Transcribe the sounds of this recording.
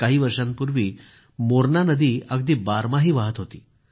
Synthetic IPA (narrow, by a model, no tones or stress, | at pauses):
kaɦiːʋəɾʂãmpuɾʋiː | moɾnanəd̪iːəɡd̪iːbaɾmaɦiːʋaɦət̪ɦot̪ḭː